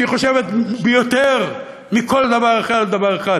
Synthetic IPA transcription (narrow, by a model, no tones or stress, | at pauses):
iχoʃevet̪bejot̪eʁ | miko̞ld̪avaʁeχadld̪avaʁeχad̪